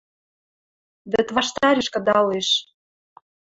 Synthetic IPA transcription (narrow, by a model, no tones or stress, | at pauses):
βɘ̆t̪βɑʃt̪ɑɾeʃkɤ̆d̪ɑleʃ